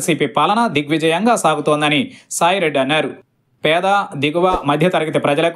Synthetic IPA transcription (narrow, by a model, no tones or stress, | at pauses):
siːpiːpɐlɐnɐd̪iɡʋid͡ʒɐjɐŋɡaːsaːɡut̪oːnd̪ɐnisaːjiɾeɖːɐnːaːɾu | pɛːd̪aːd̪iɡuʋɐmɐd̪ʱjɐt̪ɐɾɐɡit̪epɾɐd͡ʒɐlɐk